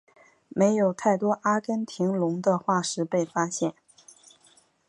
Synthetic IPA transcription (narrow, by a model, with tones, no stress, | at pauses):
me˧˥ɪjo˨˩ʊt̪ʰa˥˩ɪt̪wɔ˥ʔa˥kə˥nt̪ʰi˧˥ŋlʊ˧˥ŋd̪ə˧xwa˥˩ʂɻ̩˧˥pe˥˩ɪfa˥ɕjɛ˥˩n